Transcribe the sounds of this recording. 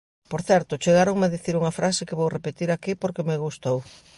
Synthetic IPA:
poɾθɛɾt̪ʊt͡ʃeɣaɾoŋmeðiθiɾuŋɐfɾʔasɪkeβowrepet̪iɾakipoɾkemeɣust̪ow

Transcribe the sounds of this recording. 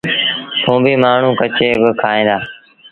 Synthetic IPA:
t̪ʰũːbiːmaːɳ̤ũːkət͡ʃeːbɪkʰaːẽːd̪aː

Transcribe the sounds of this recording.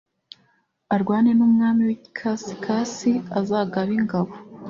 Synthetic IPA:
aɾɡwaːnenumŋaːmiwii̥kʰasi̥kʰasiazaːɡaβiŋɡaβo

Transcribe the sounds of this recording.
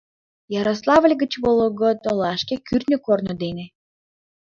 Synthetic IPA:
jɑɾɑslˠɑβəlʲɡət͡ɕβoloɡot̪olɑʃkekyrnʲøkornod̪ene

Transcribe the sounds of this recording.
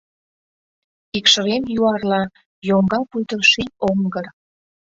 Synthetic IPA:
ikʃə̆ɾemjuɑrlɑ | joŋɡɑpujt̪əlʃioŋɡər

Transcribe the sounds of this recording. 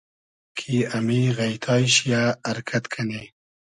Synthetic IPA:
kʰiamiɣajt̪ʰɑjʃjaaɾkʰat̪kʰane

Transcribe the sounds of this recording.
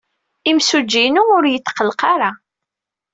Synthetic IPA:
imsud͡ʒːinuʊɾjət̪ːqəlqɑɾa

